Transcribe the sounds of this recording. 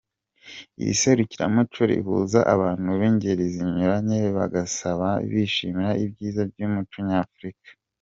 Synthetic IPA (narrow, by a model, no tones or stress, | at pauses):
ḭjḭse̞ɾuciɾa̰mut͡ʃoɾḭβṵːzaʔaβaːn̥huβiɲɟeɾiziɲuɾaɲeβa̰ɡasaβaβiʃimiɾaibɟiːzabɟumut͡ʃuɲaːfɾikḁ